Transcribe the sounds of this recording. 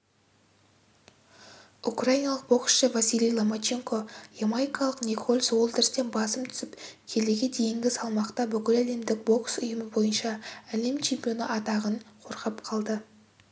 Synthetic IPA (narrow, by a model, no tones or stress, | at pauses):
ukrajinɑlˠəq̚b̥o̞ksʃəvasʲijlʲijlˠomat͡ʃeŋko̞jemajkɑlˠəqnʲekʰolʲswo̞lˠd̪ɪɾɪst̪e̞nbɑsəmt̪ʰʏ̥sɪpkʲʰe̞leɡʲe̞d̪e̞jɪŋɡʲɪsɑlˠmɑqt̪ɑbʏkʲɪlæle̞md̪ɪk̚bo̞ksʊjəməbo̞jənʃɑæle̞mt͡ʃʰe̞mpʲijo̞nə̰ʔɑt̪ɑʁəɴqʰo̞ɾqɑpqʰɑlˠd̪ə